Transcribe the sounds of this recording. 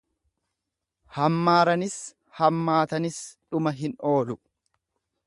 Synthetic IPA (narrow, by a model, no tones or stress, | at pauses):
hɐmːaːɾɐnɪs | hɐmːaːt̪ɐnɪsᶑʊmɐɦɪno̞ːlʊ